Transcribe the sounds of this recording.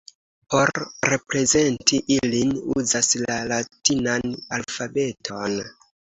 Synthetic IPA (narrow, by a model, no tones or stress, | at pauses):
po̞ɾre̞pɾe̞ze̞ntiʔilinṵzaslalatinanalfabe̞tʰo̞n